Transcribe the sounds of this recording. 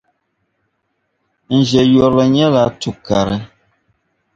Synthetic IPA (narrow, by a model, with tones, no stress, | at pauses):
n̩˨ʒɛ˨jɔ˨ɾlə˨ɲɛ˦la˨˦tu˨ka˨ɾə˦